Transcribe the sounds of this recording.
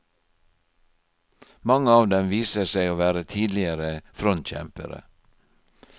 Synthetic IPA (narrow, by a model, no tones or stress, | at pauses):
mɑŋəɑːʋd̪ɛmʋiːsəsæɪoːʋæːɾət̪ʰiːd̪lɪəɾəfɾɔnt̪çɛ̰mpə̰ɾə̰